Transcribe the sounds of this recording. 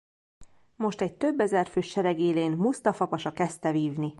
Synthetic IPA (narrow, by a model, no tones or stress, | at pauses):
mo̞ʃt̪ɛɟ̚t̪ø̞bːɛzɛrføːʃɛɾɛɡeːleːnmust̪ɒfɒpɒʃɒkɛst̪ɛviːvni